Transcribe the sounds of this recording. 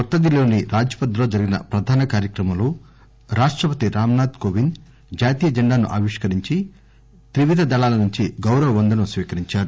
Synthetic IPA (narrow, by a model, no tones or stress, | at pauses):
kɐɾt̪ːɐd̪ilo̞ːniɾaːd͡ʒjɐpɐd̪lo̞ːd͡ʒɐɾiɡinɐ̰pɾɐd̪ʱaːnɐkaːɾjɐkɾɐmɐmloː | ɾaːʂʈɾɐpɐt̪iɾaːmɐnaːd̪koːʋin | d͡ʒaːt̪iːjɐd͡ʒɛɳɖaːnṵʔaːʋiʂkɐɾiɲt͡ʃi | t̪ɾiʋid̪ʱɐd̪ɐlaːlɐnuɲt͡ʃiɡɐwɾɐʋɐʋɐnd̪ɐnɐsʋiːkɐɾiɲt͡ʃaːɾu